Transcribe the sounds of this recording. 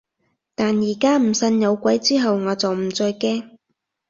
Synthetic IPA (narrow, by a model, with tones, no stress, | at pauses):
t̪aː˨njiː˨˩kaː˥m̩˨˩sɐ˧njɐ˨˧wkʷɐ˨˥jt͡siː˥ɦɐ˨wŋɔː˨˧t͡sɐ˨wm̩˨˩t͡sɔː˧jkɛː˥ŋ